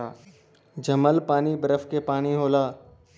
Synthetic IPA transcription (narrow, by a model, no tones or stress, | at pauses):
d͡ʒɐməlpaːnibəɾəfkepaːɽ̃iɦoːlaː